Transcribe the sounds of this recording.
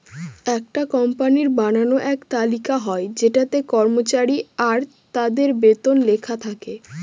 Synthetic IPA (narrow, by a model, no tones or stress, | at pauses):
ɛk̚ʈakɔmpaniɾbananoʔɛkt̪alikaɦɔed͡ʑeʈat̪ekɔɾmot͡ɕaɾiaɾ | t̪ad̪eɾbet̪onlekʰat̪ʰake